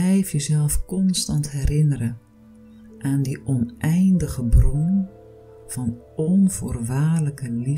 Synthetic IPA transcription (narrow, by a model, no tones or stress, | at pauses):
ɛjfjəzɛlˠfkɔnstɑntɦɛrɪnəɾə | ʔaːndiʔɔnʔɛjndəɣəbrɔnə | v̥ɑn | ɔnv̥oːrʋaːrləkəli